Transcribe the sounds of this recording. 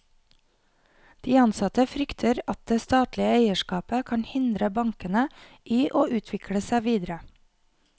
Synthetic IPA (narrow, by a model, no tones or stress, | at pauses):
d̪̥iːɑnsɑt̪əfɾʏkt̪ʰəɾɑt̪̚d̪̥eːst̪ɑːt̪lɪəeɪəʃkɑːpəkʰɑnhɪnd̪ɾəbɑŋkənəʔiːʔoːʔʉːt̪ʰʋɪkʰɽəsæɪʋiːd̪ɾə